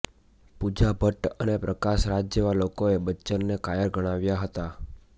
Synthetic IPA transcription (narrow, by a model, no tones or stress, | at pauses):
pud͡ʒabʱəʈənepɾəkaʃɾad͡ʒjəʋalokoebətːt͡ʃənnekajəɾɡəɽ̃aʋjaɦət̪a